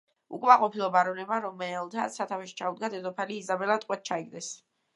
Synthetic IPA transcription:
ṵkʼmaqʼɔpʰilˠɔbaɾɔnɛbaɾɔmɛlˠt̪ʰat̪sʰːat̪ʰawɛʃi̥t͡ʃʰaud̪̚ɡad̪ɛzɔpʰaliːzabɛlˠat̪ʼqʼwɛt̪̚t͡ʃʰaiɡd̪ɛs

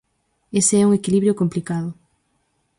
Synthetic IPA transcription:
eseɛuŋekiliβɾjokomplikaðʊ

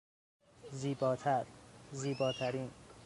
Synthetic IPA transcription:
ziːbɒːt̪ʰæɾziːbɒːt̪ʰæɾiːn

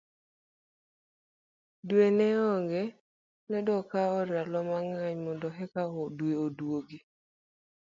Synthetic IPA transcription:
dwenɛɔŋɡɛ | nɛdɔkaɔɾalɔmaŋaɲmɔndɔɦɛkaɔdweodwoɡi

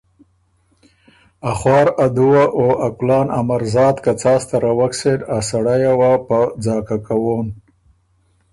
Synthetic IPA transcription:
aχwɑːɾad̪uwaʔoaklɑːnamaɾzɑːd̪kat͡sɑːst̪aɾawaksedasaɽajawapad͡zɑːkakawon

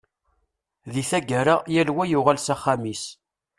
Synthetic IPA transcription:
ðiθæɡaɾajælwæjʊʁalsaχːamis

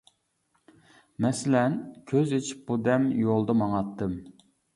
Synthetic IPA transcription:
mɛsɪlɛnkʲʰøzet͡ʃʰi̥p̚bud̪ɛmjolˠd̪ɑmɑŋɑt̪ːɨm

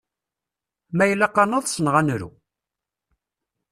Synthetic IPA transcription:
mæjlːæqːɑnəðˤsənʁænɾṵ

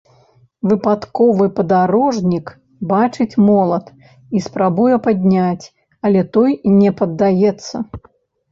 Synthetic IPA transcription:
vɨpat̪kɔvɨpɐd̪aɾɔʐnʲik | bat͡ʂɨt͡sʲmɔlˠɐt̪ | ispɾabujɛpad̪ʲnʲat͡sʲ | ɐlʲɛt̪ɔjnʲɛpɐd̪ːajɛt̪sːɐ

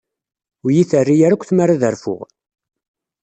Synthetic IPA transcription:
ʊjiθərːijaɾækʷθmaɾaðəɾfʊ̰ʁ

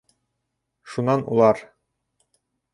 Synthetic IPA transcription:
ʃunɑnṵlˠɑɾ

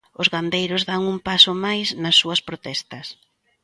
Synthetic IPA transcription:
ʊzɣand̪ejɾʊzðaŋumpasʊmajsnɐsːuɐspɾot̪ɛst̪ɐs

